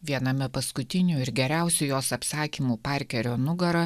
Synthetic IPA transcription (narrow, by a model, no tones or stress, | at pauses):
ʋʲiɛnɐmʲɛpɐskʊt̪ʲɪnʲuːɪɾɡʲɛɾʲæˑʊsʲuːjoːsɐpsɑːkʲiːmuːpɑˑɾʲkʲɛɾʲoːnʊɡɐɾɐ